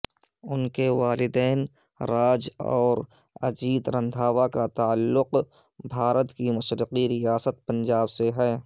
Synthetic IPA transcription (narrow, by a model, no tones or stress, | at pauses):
ʊnkeʋaːlɪd̪ɛːn | ɾaːd͡ʒɔːɾ | ɐ̰d͡ʒiːd̪ɾə̃nd̪ʱaːwakat̪aəlːʊq | bʱaːɾət̪kimʊʃɾɪqiɾɪjaːsət̪̚pə̃nd͡ʒaːbseɦɛː